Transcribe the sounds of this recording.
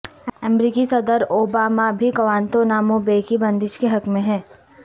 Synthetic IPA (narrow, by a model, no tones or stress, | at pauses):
ɐmɾiːkisɐd̪əɾoːbaːmabʱiɡɐʋaːnt̪onaːmõbeːkibɐ̃nd̪ɪʃkeɦɐkmẽɦɛ̃ː